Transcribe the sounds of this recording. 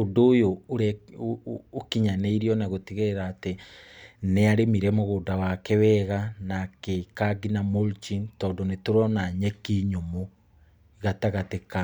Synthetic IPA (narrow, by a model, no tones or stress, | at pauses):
odoːjooɾɛː | kiɲaneiɾiɔnaɣotiɣeɾaːte | neaɾemiɾɛmoɣoːdawakɛwɛɣanakekaɡinamolt͡ʃintɔːndɔnetoɾɔnaɲɛkiɲomo | ɣataɣateka